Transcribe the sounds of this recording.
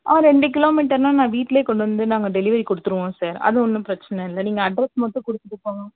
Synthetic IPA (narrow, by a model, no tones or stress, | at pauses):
ʔaːɾɛɳɖɯk̬ɪloːmiːʈːɐɾnãːnãːʋiːʈːleːkɔɳɖɯʋɐnd̪ɯnaːŋɡɐɖɛlɪʋɐɾikɔɽɯt̪ːɯɾɯʋõːsaːɾɐ̰ðɯɔnːɯpɪɾɐt͡ʃːɐnɐɪlːɐniːŋɡɐːɖɾɛsmɐʈ̪ːɯʊ̃kɔɽɯt̪ːɯʈːɯpːoːŋɡɐ